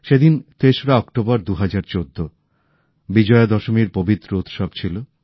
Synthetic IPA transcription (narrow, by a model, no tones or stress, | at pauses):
ʃed̪int̪eʃoɾaɔkʈobɔɾd̪uɦad͡ʑaɾt͡ɕod̪ʱːo | bid͡ʑɔed̪ɔʃomiɾpobit̪ːɾout̪ʃɔbt͡ɕʰilo